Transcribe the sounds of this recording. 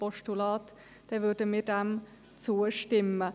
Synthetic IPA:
pɔʃtulɑːt̪ | d̥ɛːʋʏɾdəmiːɾd̥ɛm | t͡suːəʃtɪmːə

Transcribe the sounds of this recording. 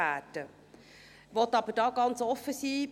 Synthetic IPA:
æːtə | ʋɔtɑbədɑːɡɑnt͡sɔfəsi

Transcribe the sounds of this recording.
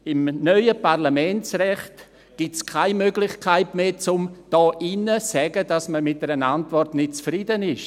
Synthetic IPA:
ɪmnœʏəparlamɛnt͡srɛχt | ɡ̥iskʰaɪmøɡlɪχkʰaɪtmeːt͡sʊmd̥ɔːʔinəsɛɡədasməmɪt̚dɛɾənantvɔrtnɪt̚t͡sfridənɪʃ

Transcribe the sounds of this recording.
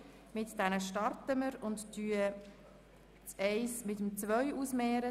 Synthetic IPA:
mɪtd̥ɛnəʃtɑɾtəməɾʊnttyːə | t͡sɛɪsmɪtəmt͡svœʏusmeːɾə

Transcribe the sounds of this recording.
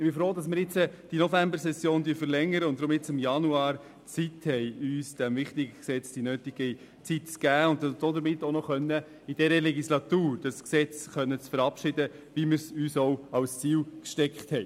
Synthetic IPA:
ɪb̥ɪfɾoːdɑs̬mɪɾjɪt͡səd̥inɔfæmbəɾsɛsjoːndyːfəɾlɛŋːəɾəʊntd̥̪ɾʊmɪt͡sɪmjɑnuɑːɾ | t͡sithɛɪyːsd̥ɛmvɪχtɪɡəksɛt͡sd̥inøːtɪɡ̥ə | t͡sitt͡sɡ̥æːʊntd̥ɔd̪əɾmɪtːonɔχœnːə | ɪd̥ɛɾəlɛɡislɑt̪uːɾd̥ɑsksɛt͡sχœnːət͡sfəɾɑpʃɪdə | ʋiməɾsyːsɔwɑwst͡siːwkʃtɛkχthɛɪ

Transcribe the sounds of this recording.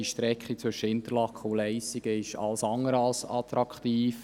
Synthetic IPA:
iʃtɾɛkχit͡sʋʏʃːəɪnt̪əlɑkʰχəʊlɛɪsiɡəɪʃɑ̰lsɑŋːəɾɑlsɑt̪ɾɑkχt̪iːf

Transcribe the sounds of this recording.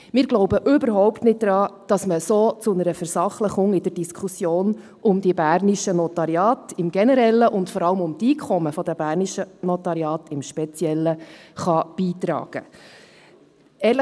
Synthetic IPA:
mɪːɾɡ̥lɔʊbəʔʏbəɾɦɔʊptnɪt̚dɾɑːd̥ɑsməsoːt͡sʊnəɾəfɛɾsɑχləχʊŋɪd̥ərd̥iskʰχusjoːn | ʊmdibæːrniʃənɔtɑɾjɑːtɪmɡ̥ɛnəɾɛlːəʔʊntfɔɾɑləmʊmt̪iːkʰɔməfɔd̥̪əb̥æːɾniʃənɔt̪ɑɾjɑːtɪmʃpɛt͡sjɛlːəχɑb̥iːtɾɑ̰ːɡ̥ə̰ | ɛːɾlə

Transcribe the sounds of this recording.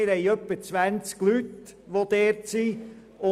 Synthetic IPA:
ɪɾɛɪœpːət͡sʋænt͡sklyt̪ | ʋod̥̪eːɾtsiː | ʊ

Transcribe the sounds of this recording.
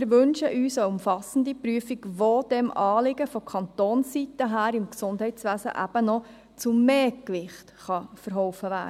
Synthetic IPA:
ɪɾʋɵnʃəʔyːsəʊmfɑsən̩dipɾyəfiɡʋoːd̥ɛmɑːlɪɡəfɔkʰɑnt̪oːnsitəɦæːɾɪmksʊnd̥ɦɛɪtsʋæːsə̰ʔæ̰b̥ənɔ | t͡sumeːkʋɪχtχɑfəɾɦɔʊfəʋæ̰ː

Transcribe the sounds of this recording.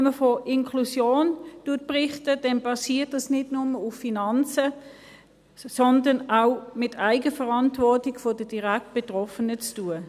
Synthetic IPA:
məfoʔɪnkʰlusjoːntuɐt̚pʁɪχtəd̥ɛnb̥ɑsiːɐtɑsnɪtnʊməufːinɑnt͡sə | sɔndənaʊmɪtʰaɪɡəfəʁɑntvɔɐtɪɡfod̥əd̥iʁæk̚t̚b̥etʁɔfənət͡stuːə

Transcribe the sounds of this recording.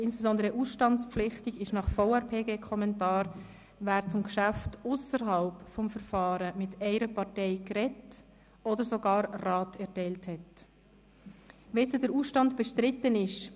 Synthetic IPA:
ɪnsb̥ezɔndəɾəʔuːsʃtɑnt͡spflɪχtiɡɪʃnɑχfoʊɛɾpʰeːɡeːkʰɔmɛntɑːɾ | ʋæːɾt͡sʊmkʃæftʊsəɾɦɑlpfɔmfəɾfɑːɾəmɪtɛɪɾəpɑʁtɛɪkɾɛt | ɔdəɾsoɡɑːɾrɑːtɛɾtɛɪlthɛt | ʋɛt͡sədəɾuːsʃtɑndb̥ɛʃtrɾɪtːənɪʃ

